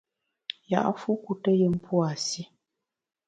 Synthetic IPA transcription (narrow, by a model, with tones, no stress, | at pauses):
ja̰˨ʔfu˦ku˨tə˦jə˦m̩˦pʰwa˨si˦